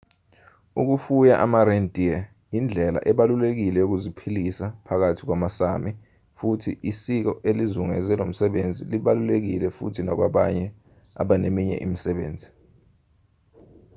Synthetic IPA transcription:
uk̬ufujaʔamaɾɛndʱʼiɛ | jind͡ɮʱɛla̰ʔɛɓalulek̬ilɛjok̬uzipʰilisapʰak̬atʰi̥k̬wamasami | futʰiʔisik̬ɔʔelizuŋɛ̰zɛlom̩sɛɓend͡zʱiliɓalulek̬ilɛfṵtʰinak̬waɓaɲɛ | a̰ɓanemiɲɛ̰ʔḭmisɛɓḛːnd͡zʱi

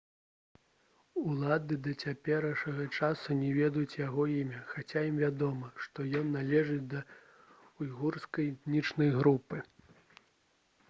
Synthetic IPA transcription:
ulˠad̪ɨd̪ɐt͡sʲapʲɛɾɐʂɐɣɐt͡ʂasunʲɛvʲɛd̪ɐjut͡sʲjaɣɔimʲɐxat͡sʲajimvʲad̪ɔmɐʂt̪ɔjɔnːalʲɛʐɨd̪ɐ | ujɣurskɐjt̪nʲit͡ʂnɐjɣɾupɨ

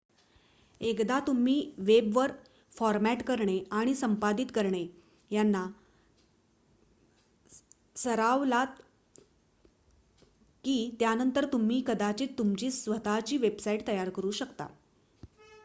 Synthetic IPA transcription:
ekd̪at̪um̤iːʋebʋəɾ | fɔɾmæʈkəɾɳeaɽ̃isəmpad̪it̪kəɾɳe | janːa | səɾaʋlat̪ | kiːt̪janənt̪əɾt̪um̤iːkəd̪at͡ɕiːt̪ːumt͡ɕiːsʋət̪at͡ɕiːʋebsaiʈt̪əjaɾkəɾuːɕəkt̪a̰

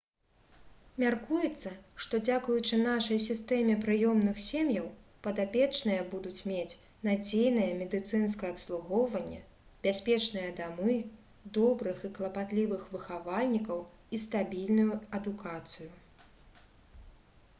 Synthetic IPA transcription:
mʲarkujɛt̪sːɐʂt̪ɔd͡zʲakujut͡ʂɨnaʂɐjsʲist̪ɛmʲɛpɾɨjɔmn̪ɨxsʲemjɐwpɐd̪apʲɛt͡ʂnɨjɐbud̪ut͡sʲmʲet͡sʲ | nad͡zʲejnɨjɐmʲɛd̪ɨt̪sɨnskɐjɛɐpslˠuɣɔwvɐnʲːɛ̰ | bʲasʲpʲɛt͡ʂnɨjɐd̪amɨ | d̪ɔbɾɨxiklˠɐpat̪lʲivɨxvɨxavalʲnʲikɐw | ist̪abʲilʲnujuɐd̪ukat̪sɨju

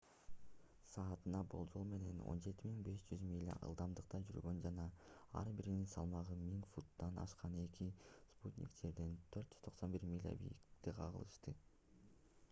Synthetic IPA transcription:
sɑːt̪ɯnɑbo̞lˠd͡ʒo̞lˠme̞ne̞no̞̰nd͡ʒe̞t̪imiŋbe̞ʃd͡ʒyzmʲilʲːa̰ʔɯ̰lˠd̪ɑmd̪ɯqt̪ɑd͡ʒy̰ɾɡø̞nd͡ʒɑnɑɑ̰ɾbiɾininsɑlˠmɑʁɯmiŋfut̪ːɑnɑ̰ʃqɑne̞kʰisput̪ʲnʲḭkt̪e̞ɾd̪ent̪ʰøɾt̪d͡ʒy̥z̥t̪ʰo̞qso̞nbiɾmʲilʲːa̰bḭjḭkt̪iqʰɑʁɯ̰lˠɯʃt̪ɯ

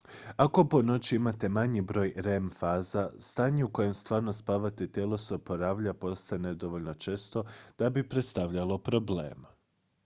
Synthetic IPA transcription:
ako̞po̞no̞t͡ɕiimat̪e̞maɲibɾo̞ːjɾemfaːzast̪aːɲeuko̞je̞mst̪ʋaːɾno̞spaːʋat̪et̪jeːlˠo̞seopoɾaːʋʎapo̞st̪aened̪o̞ʋo̞ʎʲno̞t͡ʃe̞st̪o̞d̪̥abipɾe̞t̪st̪aʋʎalˠo̞pɾo̞blḛːm

